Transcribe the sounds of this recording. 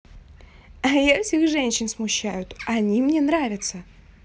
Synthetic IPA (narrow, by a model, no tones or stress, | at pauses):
ajasʲɪxʐɛnʲɕːɪnsmʊɕːæjʊt̪ɐnʲimnʲenɾavʲɪt̪sə